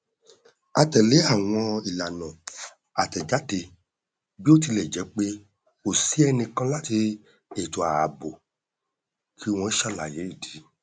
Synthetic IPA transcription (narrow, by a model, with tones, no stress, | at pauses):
a˧tɛ˨le˨˦a˦˨w̃ɔ̃˧i˨la˨nɔ̃˨ | a˨tɛ˨d͡ʒa˨˦te˧ | bi˦o˦ti˧lɛ˨d͡ʒɛ˨˦k͡pe˦ | o˦˨si˦ɛ˧nĩ˧kã˦la˦ti˧ | e˨to˨a˨bo˨ | kʰi˦˧w̃ɔ̃˧i˦ʃa˦˨la˨je˨˦i˦˨di˨˦